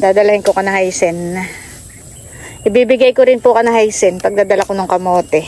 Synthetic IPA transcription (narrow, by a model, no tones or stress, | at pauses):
d̪aːd̪ɐlɐhɪŋkokɐnɐhajsɛn | ʔɪbiːbɪɡɐjkoɾɪnpʊkɐnɐhajsɛnpɐɡ̚d̪aːd̪ɐlɐkonʊŋkɐmoːt̪ɛ